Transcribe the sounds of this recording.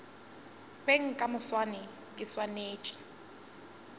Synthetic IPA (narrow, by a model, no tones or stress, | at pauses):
beŋ̩kʼamʊswanɪ | kʼɪswaneːt͡ʃʼḁ